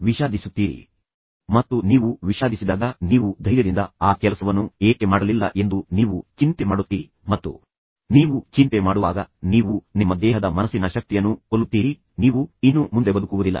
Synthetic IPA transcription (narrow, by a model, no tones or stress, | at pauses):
ʋiʃaːd̪ʱisut̪ːiːɾḭ | mɐt̪ːuniːʋuʋiʃaːd̪isid̪aːɡɐniːʋud̪ʱɐjɾɐd̪ind̪ɐaːkɛlɐsɐʋɐnːueːkemaːɽɐlilːɐ̰ʔe̞nd̪uniːʋut͡ʃint̪emaːɽut̪ːiːɾi | mɐt̪ːṵ | niːʋut͡ʃint̪emaːɽuʋa̰ːɡɐniːʋunimːɐd̪ɛːɦɐd̪ɐmɐnɐsːinɐʃɐk̚t̪ijɐnːuolːut̪ːiːɾi | niːʋuinːumund̪e̞bɐd̪ukuʋud̪ilːɐ̰